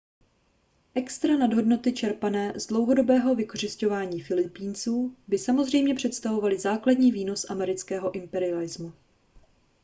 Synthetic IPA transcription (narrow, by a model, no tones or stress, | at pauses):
ʔɛkst̪ɾanadɦo̞dno̞t̪ɪt͡ʃɛɾpanɛːzdlo̞wɦo̞do̞bɛːɦo̞vɪko̞r̝ɪsco̞vaːɲiːfɪlɪpiːnt͡suːbɪsamo̞zr̝ɛjmɲɛpr̝̥ɛt̪st̪avo̞valɪzaːkladɲiːviːno̞sʔamɛɾɪt͡skɛːɦo̞ʔɪmpɛɾɪalɪzmu